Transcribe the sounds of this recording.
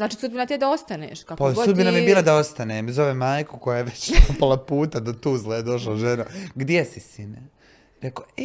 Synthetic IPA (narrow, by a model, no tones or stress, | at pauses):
znaːt͡ʃisud̪binat̪ied̪aost̪anḛːʃkakpassud̪binamjebiːlˠad̪ao̞st̪anemzo̞ʋemaːjkuko̞jajeʋet͡ɕnapalˠapuːt̪ad̪ot̪uzlejed̪o̞ʃ̬laʒenoɡd̪jesisine | ɾekoe